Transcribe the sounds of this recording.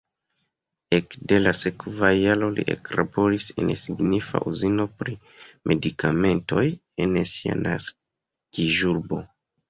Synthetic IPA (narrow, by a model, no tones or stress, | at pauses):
ekde̞lasekvajalo̞lḭʔḛklabo̞ɾise̞̰nsiɡnifa̰ʔuzino̞pɾi | mʔe̞dikʰame̞nto̞j | e̞nsia̰nas | kiʒuɾbo̞